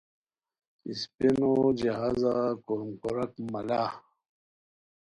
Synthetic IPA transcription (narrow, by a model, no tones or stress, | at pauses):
ispinod͡ʑeɦaːzakomkoɾɐkmalaː